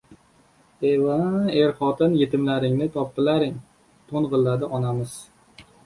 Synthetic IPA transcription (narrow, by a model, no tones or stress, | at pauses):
evaeɾχɒt̪ʰɪnjet̪ɪmlaɾɪŋnɪt̪ʰɒpːɪlaɾɪŋ | t̪ʰonʁɨlˠːad̪ɪʔɒnamɪz̥